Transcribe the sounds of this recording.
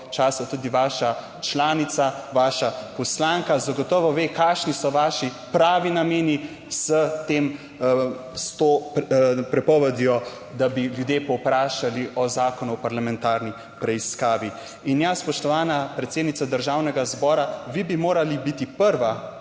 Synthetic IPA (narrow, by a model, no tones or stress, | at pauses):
t͡ʃaːsat̪ud̪iʋaːʃa | t͡ʃlaːnit̪saʋaːʃapɔslaːŋkazaɡɔt̪ɔʋɔʋeːkaʃnisɔʋaːʃi | pɾaːʋinameːni | z̥ət̪em | st̪o | pɾɛpɔʋɛd̪jɔ | d̪abiljud̪jepɔwpɾaːʃaliʔɔzaːkɔnuɔpaɾlamɛnt̪aːɾni | pɾɛiskaːʋi | injaspɔʃt̪ɔʋaːnapɾɛt̪seːd̪nit̪sad̪əɾʒaːwnɛɡazbɔːɾaʋibimoːɾalibit̪ipəɾʋa